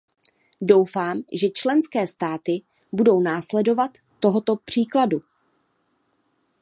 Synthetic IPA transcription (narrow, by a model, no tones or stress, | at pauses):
do̞wfaːmʒɛt͡ʃlɛnskɛːst̪aːt̪ɪ | budo̞wnaːslɛdo̞vat̪ːo̞ɦo̞t̪o̞pr̝̥iːkladu